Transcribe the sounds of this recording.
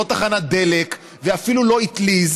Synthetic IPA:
ot̪aχanad̪e̞lek | veafilulo̞it̪liz

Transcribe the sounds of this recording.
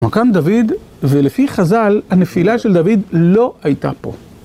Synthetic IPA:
makand̪avid̪ | velefiχazalhane̞filaʃeld̪avid̪lo̞ajt̪a̰po̞̰

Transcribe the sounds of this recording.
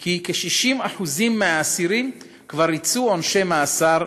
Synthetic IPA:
kikeʃiʃimaħuzimːeaːsiɾim | kvaɾit͡suonʃemaːsaɾ

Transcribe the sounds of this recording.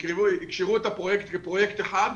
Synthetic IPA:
ʁeuikʃeʁuet̪apʁojekt̪ɡepʁojekt̪eχad̪

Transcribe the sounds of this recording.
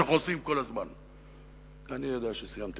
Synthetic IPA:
aχnuosimko̞lazman | anijod̪aaʃesijamt̪

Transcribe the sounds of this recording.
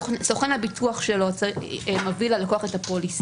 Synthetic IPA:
soχenhabitʰuaχʃelo̞t͡smavilalakoaχetapolis

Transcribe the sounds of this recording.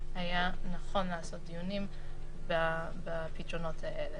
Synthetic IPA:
hajanaχo̞nleaso̞t̚d̪ijunĩm | ba | bapitʁono̞tʰaʔele

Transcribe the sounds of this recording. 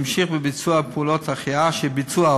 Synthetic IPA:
mʃiχbəbit͡suapʰːlɔtaχiaʃɛbit͡sua

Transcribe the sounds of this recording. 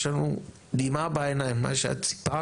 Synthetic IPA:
ʃanu | d̪imabajnajma̰ʃa̰t͡si̥pa

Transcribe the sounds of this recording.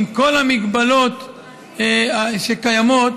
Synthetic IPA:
mkolamiɡbalo̞t̪ | aʃekajamo̞t̪

